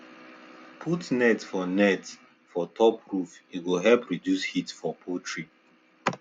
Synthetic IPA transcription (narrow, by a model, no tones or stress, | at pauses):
pʰutnɛtfɔnɛt | fɔtʰɔpɹufiɡoɦɛlpɹidjushitfɔpʰotʰɹi